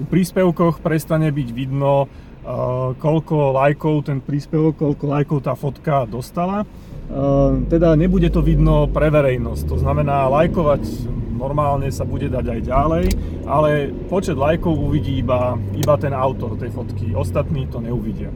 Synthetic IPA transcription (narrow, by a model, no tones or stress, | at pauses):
upɾiːspɛʊkɔxpɾɛst̪aɲɛbiɟʋid̪nɔ | kɔʎkɔlajkɔʊt̪ɛnpɾiːspɛʋɔkːɔʎkɔlajkɔʊt̪aːfɔt̪kad̪ɔst̪ala | t̪ɛd̪aɲɛbuɟɛt̪ɔʋid̪nɔpɾɛʋɛɾɛjnɔs̚t̪ɔznamɛnaːlajkɔʋaɟnɔɾmaːlɲɛsabuɟɛd̪aɟajɟalɛj | ʔalɛ | pɔt͡ʃɛd̪lajkɔʊuʋiɟiːiba | ibat̪ɛnaʊt̪ɔɾt̪ɛjfɔt̪kiɔst̪at̪niːt̪ɔɲɛuʋiɟɪa